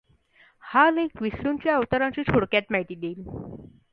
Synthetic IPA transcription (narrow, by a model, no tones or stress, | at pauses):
halekʋisɾunt͡ɕjaəʋt̪əɾãɲt͡ɕiːt͡ɕʰoɽkjat̪mɛt̪iːd̪eːl